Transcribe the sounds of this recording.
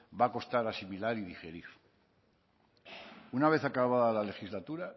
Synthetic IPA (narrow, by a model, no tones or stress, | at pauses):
bako̞st̪aɾasimilaɾiðixeɾiɾ | unaβ̞e̞θakaβaðalale̞xizlat̪uɾa